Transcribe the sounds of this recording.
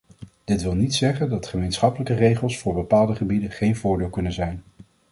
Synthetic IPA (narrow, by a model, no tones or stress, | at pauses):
d̥ɪtʋɪlˠnitsɛχəndɑtχəmejnsχɑpələkərejχəlˠsfʊːɹbəpaːlˠdəχəbidəχejnvʊːɹdɪːlˠkɵnənzɛjn